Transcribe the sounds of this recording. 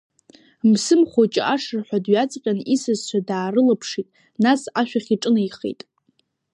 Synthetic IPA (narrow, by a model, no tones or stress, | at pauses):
msɨmχot͡ʃʼɪʔaʂɨrħʷᶣadɥat͡sʼqʲʼanisɨzt͡ʃʷʰadaːɾɨlapʰʂitʼ | nasaʃᶣaχʲiʈ͡ʂʼɨnaiχḛjtʼ